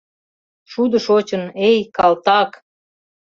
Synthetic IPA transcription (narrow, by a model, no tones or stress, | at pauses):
ʃud̪ə̆ʃot͡ɕə̆nejkɑlt̪ɑk